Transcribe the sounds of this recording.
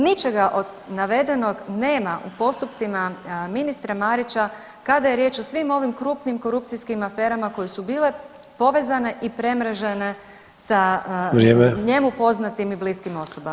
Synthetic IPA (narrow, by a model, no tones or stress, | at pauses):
nit͡ʃe̞ɡaʔo̞d̪naʋe̞d̪e̞no̞ɡne̞ːmaʔṵpo̞st̪up̚t̪simaminist̪ɾamaɾit͡ʃa | kad̪ajeɾje̞ːt͡ʃo̞sʋimo̞ʋimkɾuːpnimko̞ɾup̚t̪sijskimafe̞ːɾamako̞jesubiːle̞ | po̞ʋe̞zane̞ʔipɾe̞mɾeʒene̞ | saɾjeːmeɲe̞mupo̞znat̪imibliskimo̞sobam